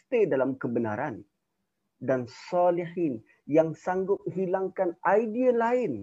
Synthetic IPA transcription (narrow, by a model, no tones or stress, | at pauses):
t̪edalamkəbəna̰ɾan | dansɑlihin | jaŋsaŋɡʊp̚hilaŋkanʔajdialaɪn